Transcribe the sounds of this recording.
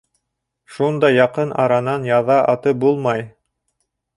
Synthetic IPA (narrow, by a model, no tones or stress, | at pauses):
ʃund̪ɑjɑqɤnʔɑ̰ɾɑnɑnjɑðɑʔɑt̪ɤp̚bulˠmɑj